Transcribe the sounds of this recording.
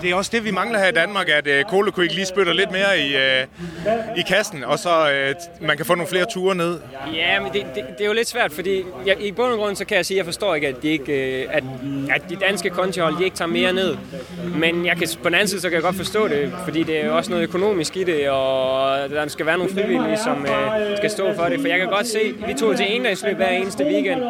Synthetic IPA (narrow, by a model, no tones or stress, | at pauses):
d̥e̝æɒ̽sd̥e̝ʋimɑ̈ŋlɐhæɐid̥ænmɑ̈ːɡ̥æd̥kʰo̝ːləkʰue̝ɡ̥əliːsb̥ød̥ɐle̝d̥me̝ːɐi | ikʰæsn̩ɒ̽sɒ̽ømænkʰæfo̰ːno̝ːn̩fle̝ːɐt͡sʰuːɐne̝ð̞̰ˠjæmd̥e̝d̥e̝d̥e̝jo̝le̝d̥sʋæɐ̰d̥fɒ̽d̥ḭːjɑib̥ɔ̽nəɡ̥ʁɔ̽n̰̩sɒ̽kʰæjɑ̈ɪsiːjɑ̈ɪfɒ̽sd̥ɔ̰ːe̝ɡ̥əæd̥ːie̝ɡ̥æd̥ʔæd̥ːid̥ænsɡ̥əkʰɒ̽nt͡sʰihɒ̽l̰d̥ie̝ɡ̥t͡sʰɑ̰̈ːme̝ːɐne̝ð̰ˠ | menjɑ̈ɪkʰæpʰɒ̽d̥en̩æn̩siðˠsɒ̽kʰæjɡ̥ɒ̽d̥fɒsd̥ɔ̰ːɾe̝fɒd̥ḭːd̥e̝æɐjoɒ̽snɔ̽ːð̩ˠøkʰo̝no̝̰ːmisɡ̥iɾe̝ɒd̥ɑsɡ̥æʋæːɐno̝ːn̩fʁiʋil̰isɒ̽msɡ̥æsd̥ɔ̰ːfɒ̽ɾefɒ̽jɑ̈ɪkʰæɡ̥ɒ̽d̥se̝̰ːʋit͡sʰo̝̰t͡sʰie̝ːnd̥ɛsly̰b̥ʋæɐ̰e̝ːnəsd̥əʋiːɡ̥en̰d̥